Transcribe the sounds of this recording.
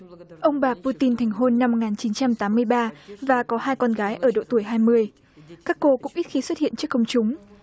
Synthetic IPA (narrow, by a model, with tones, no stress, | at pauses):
ʔə˧wŋ͡mɓaː˨˩pu˧t̪i˧nt̪ʰɛ˨˩ŋ̟ɦo˧nːa˧mː˨˩kŋaː˨˩nt͡ɕi˨˦nt͡ɕa˧mt̪aː˨˦mːɨ˧əjɓaː˧vaː˨˩kɔ˨˦haː˧jkɔ˧nɣaː˨˦jʔəː˧˩ɗo̰˧˨t̪u˧˩əjɦaː˧jmɨ˧əj | kaː˦˥kːo˧kʊ̰˧˥ŋ͡mʔi˦˥t̚xi˨˦swə˥t̚hḭ˧˨ənt͡ɕɨ˦˥əkːə˧wŋ͡mt͡ɕʊ˨˦ŋ͡m